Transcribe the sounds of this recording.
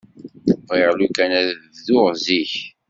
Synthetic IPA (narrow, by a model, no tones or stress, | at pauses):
bʁeʁlukænæððʊʁziç